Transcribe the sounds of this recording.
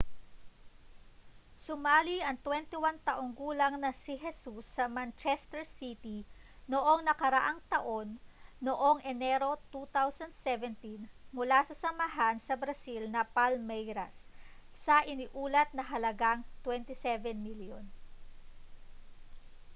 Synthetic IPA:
sʊmaːliʔɐŋt̪wɛnt̪ɪwant̪ɐʔo̞ŋɡuːlɐŋnɐsiɦɛsusːɐmant͡ʃɛst̪ɛɹsit̪inoʔo̞ŋnɐkɐɾɐʔaŋt̪ɐʔo̞nːoʔo̞ŋʔɛnɛɾo̞t̪ut̪awsɐnd̪sɛvɛnt̪inmʊlasɐsɐmɐɦansɐbɾɐsilnɐpalmɛjɾɐ̰sː | ɐʔɪnɪʔuːlɐt̪̚nɐɦɐlɐɡaŋt̪wɛnt̪ɪsɛvɛnmiljo̰n

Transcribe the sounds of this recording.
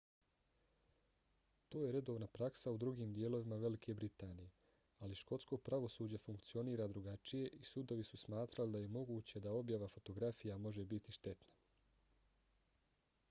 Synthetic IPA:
t̪o̞ːje̞ɾe̞d̪oʋnapɾaksaud̪ɾuɡiːmd̪jeːlo̞ʋimaʋe̞likʰe̞bɾit̪aːnije̞ | aliʃko̞t̪sko̞pɾaʋo̞suːd͡ʑafuŋkt̪sio̞niːɾad̪ɾuɡat͡ʃije̞ʔisud̪o̞ʋisusmaːt̪ɾalid̪aje̞mo̞ɡuːt͡ɕe̞d̪ao̞bjaʋafo̞t̪o̞ɡɾafijamo̞ʒebit̪iʃt̪e̞t̪na

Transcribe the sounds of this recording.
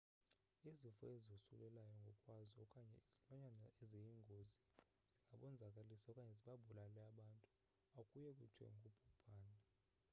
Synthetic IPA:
izifɔezosṵlɛlajɔŋɡʱɔkʼwazɔkʼaɲɛ̰iz̥ilwaɲanaʔɛzejiŋɡʱozi | z̥iŋɡʱaɓɔnd͡zʱakʼalisakʼaɲɛziɓabʱulalɛaɓantʼu | akʼujɛkʼwṵtʰwɛ̰ŋɡʱupʰu̥pʰaːna

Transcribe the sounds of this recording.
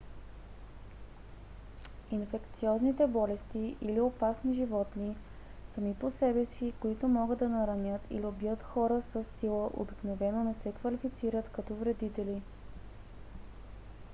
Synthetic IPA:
infɛkt̪siɔznit̪ɛbɔlɛst̪iʔiliopasniʒivɔt̪ni | sɐmiposɛbɛsikoit̪ʊmɔɡəd̪d̪ɐnɐɾɐnʲət̪ḭliobijət̪xɔɾəsəsːilˠəʔo̰biknovɛnonɛsɛkvɐlifit̪siɾət̪kɐt̪ɔvɾɛd̪it̪ɛli

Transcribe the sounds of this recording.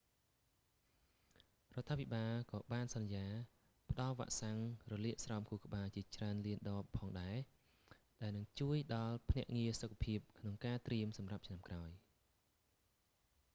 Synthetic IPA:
rŏət̪ʰːaːpʰiɓaːlkɑːɓaːnsɑnjaː | pə̆ɗɑlʋa̰ːʔsaŋrɔliəʔsrɑɔmkʰuːkə̆ɓaːt͡ɕiət͡ɕraənliənɗɑːpʰːɑːŋɗaɛ | ɗaɛlnɨŋt͡ɕuəjɗɑlpʰnɛ̆əʔŋiəsokʰːḁpʰiəp̚kʰnoŋkaːt̪riəmsɑmrap̚t͡ɕʰnamkraɔj

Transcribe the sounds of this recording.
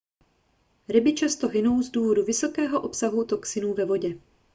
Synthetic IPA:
ɾɪbɪt͡ʃast̪o̞ɦɪno̞wzduːvo̞duvɪso̞kɛːɦo̞ʔo̞psaɦut̪o̞ksɪnuːvɛvo̞ɟɛ

